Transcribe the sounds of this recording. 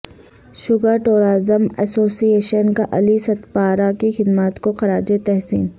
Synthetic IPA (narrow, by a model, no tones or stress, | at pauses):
ʃʊɡəʈoːɾaːzəmɛsoːsieːʃənkaʔɐlisɐt̪paːɾakixɪd̪mat̪koxɐɾaːd͡ʒet̪ɛɦsiːn